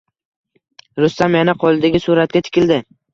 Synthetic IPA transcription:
ɾʊst̪amjanaqʰɒlˠɪd̪aɡʲɪsuɾat̪̚kʲat̪ʰɪ̥kʲʰɪld̪ɪ

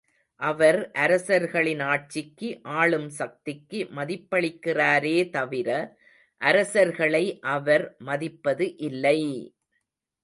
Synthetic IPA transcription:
ʔɐʋɐɾʔɐɾɐsɐɾɣɐɭɪnaːʈ̚t͡ʃɪkːɯʔaːɭɯmsɐk̚t̪ɪkːɯmɐðɪpːɐɭɪkːɪraːɾeːt̪ɐʋɪɾɐ | ʔɐɾɐsɐɾɣɐɭɐɪʔɐʋɐɾmɐðɪpːɐðɯʔɪlːɐɪ

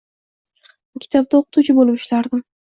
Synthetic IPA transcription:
kʲʰɪ̥t̪ʰɒb̚t̪aoqɨt̪ut͡ʃʰɪbolɪpɪ̥ʃlaɾd̪ɪm

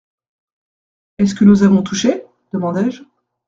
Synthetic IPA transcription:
ɛs̬kənozavɔ̃t̪ʰuʃe | d̪̥əmɑ̃d̪ɛʒ

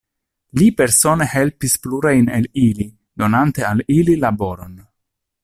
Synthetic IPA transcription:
lipe̞ɾsone̞he̞lpispluɾajnelili | do̞nante̞alililabo̞ɾo̞n

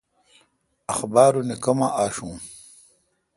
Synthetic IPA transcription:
ɐxbaːɾunekɐmaʔaːʂũː

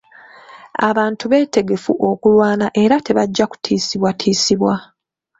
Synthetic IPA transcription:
a̰βaːntuβe̞ːte̞ɡe̞fuʔo̞kulwaːnaʔe̞ɾate̞βaɟːaku̥tʰiːsiβwatʰiːsiβwa

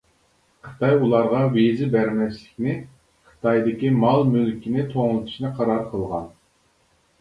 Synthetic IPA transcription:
qʰə̥t̪ʰɑjulˠɑɾʁɑwezɪbæɾmɛslɪkʲnɪ | qʰə̥t̪ʰɑjd̪ɪkʲimɑlˠmølkʲʰinɪt̪ʰoŋlˠɨt̪ʰu̥ʃnɨqʰɑɾɑɾqʰəlˠʁɑn

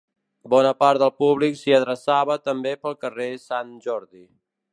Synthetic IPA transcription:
bɔnəpaɾəlˠpuβliksiəðɾəsaβət̪əmbepəlˠkəresanʒɔɾði

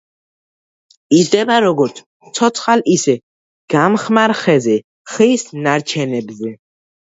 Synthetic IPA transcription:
isd̪ɛbaɾɔɡɔɾt̪sʰ | sʰɔt̪ʰχalisɛ | ɡ̥amχmaɾχɛzɛ | χisnaɾt͡ʃʰɛnɛbzɛ

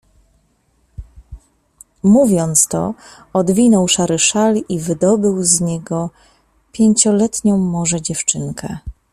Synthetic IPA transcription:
muvʲjɔnt̪st̪ɔ̰ | ɔd̪vʲinɔwʂaɾɘʂalivɘd̪ɔbɘwzɲɛɡɔ | pʲjeɲt͡ɕɔlɛt̪ɲɔ̃w̃mɔʐɛd͡ʑɛft͡ʂɘŋkʰɛ

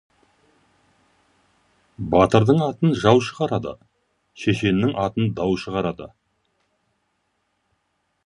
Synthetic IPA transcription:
bɑt̪əɾd̪əɴɑt̪ənʒɑwʃəʁɑɾɑd̪ə̰ | ʃeʃe̞nːɪŋʔɑt̪ənd̪ɑwʃəʁɑɾɑd̪ə̰

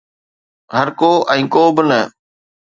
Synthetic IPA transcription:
ɦəɾkoːʔɛ̃ːkoːbɪnə

